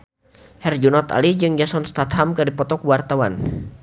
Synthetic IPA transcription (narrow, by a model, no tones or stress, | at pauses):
hɛrd͡ʒunɔt̪a̰lid͡ʒɨŋd͡ʒasɔnst̪at̪hamkɨrdipɔt̪ɔkuwart̪awa̰n